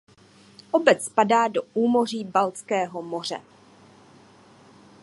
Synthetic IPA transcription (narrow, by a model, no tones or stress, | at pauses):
ʔobɛt͡sspadaːdo̞ʔuːmo̞r̝iːbalt͡skɛːɦo̞mo̞r̝ɛ̰